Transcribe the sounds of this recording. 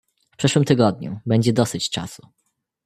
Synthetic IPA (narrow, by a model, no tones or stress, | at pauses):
pʂɘʂwɘmt̪ɘɡɔd̪̚ɲṵbɛɲd͡ʑɛd̪ɔsɘt͡ɕt͡ʂa̰su